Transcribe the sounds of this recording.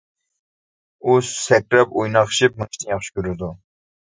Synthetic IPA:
ussɛk̚ɾɛpojnɑχʃip̚mɨʃt̪ijɑχʃi̥kʲøɾɪd̪u

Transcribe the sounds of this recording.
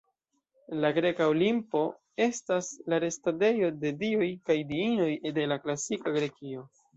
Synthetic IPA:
laɡɾe̞kaolimpo̞ | e̞staslaɾe̞stade̞jo̞de̞diojkajdiino̞jde̞laklasikaɡɾe̞kio̞

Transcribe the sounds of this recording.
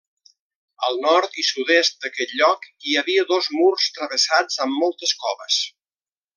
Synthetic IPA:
əlˠnɔɾt̪isuðest̪̚d̪əkɛt̪ʎɔkiəβiəðozmurst̪ɾəβəsad͡zəmːɔlˠt̪əskɔβəs

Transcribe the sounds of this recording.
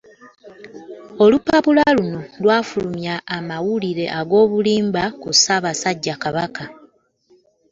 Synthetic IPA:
o̞lupːapulalunolwaːfulumjaːmawuliɾe̞ʔaɡo̞ːβuliːmbakusaːβasaɟːakaβaka

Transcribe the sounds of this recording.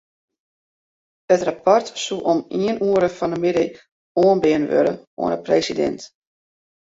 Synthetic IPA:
hətrapɔrtsuʔɔmiənuəɾəfɔnəmɪdə | oənbɪənʋø̰ɾə̰o̰ənəpresidɛ̰nt

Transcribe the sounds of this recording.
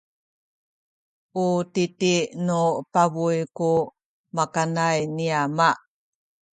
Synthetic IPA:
ʔutitinupavujku | makanajniama

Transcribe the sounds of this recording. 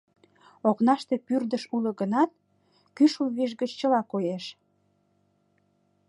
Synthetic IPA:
oknɑʃt̪epyrd̪əʃulə̆ɣənɑt̪̚ | kyʃuβiʃ̬ɣət͡ɕt͡ɕəlɑkojeʃ

